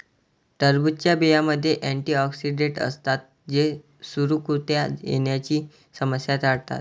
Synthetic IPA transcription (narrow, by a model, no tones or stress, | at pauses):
ʈəɾbut̪̚t͡ɕjabijaməd̪ʱːjeʔæɳʈiːɔksiɖeʈə̰st̪at̪̚ | d͡ʑe | suɾukut̪jajḛɳjat͡ɕiː | səməsjat̪aɽt̪a̰t̪̚